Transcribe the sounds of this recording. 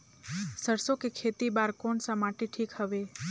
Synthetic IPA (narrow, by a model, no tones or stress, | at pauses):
səɾsokekʰet̪ibaɾkoɳsamaʈiʈʰikhəʋe